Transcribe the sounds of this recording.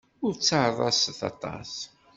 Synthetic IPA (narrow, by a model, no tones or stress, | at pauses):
ʊɾt͡sːəʕðˤɑsθɑ̰t̪ˤɑ̰s